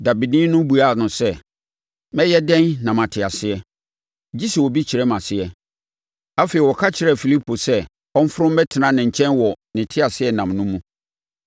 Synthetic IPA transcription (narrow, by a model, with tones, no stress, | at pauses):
da˨bi˨dĩ˦nʊ̃˦bu˨a˦˨nʊ̃˨sɛ˦ | mɛ̃˦jɛ˦dɛ̃˦nːã˨mã˨tʰɪ˨a˨sɪ˦ɛ˦ | d͡ʑi˦sɛ˨wɔ˨bi˦t͡ɕʰɪ˨ɾɛ˦mã˨sɪ˦ɛ˦ | a˦fe˨i˨wɔ˨kʰa˦t͡ɕʰɪ˨ɾɛ˦˨fi˨li˦pʰo˨sɛ˦ | ɔ˦m̩˦fʊ˦ɾʊ̃˦mbɛ˦tʰɪ˨nã˦nɪ̃˨ɲ̩˨t͡ɕʰɛ̃˦nwɔ˨nɪ̃˨tʰɪ˦a˨sɪ˦ɛ˦nã˨mnʊ̃˦mũ˦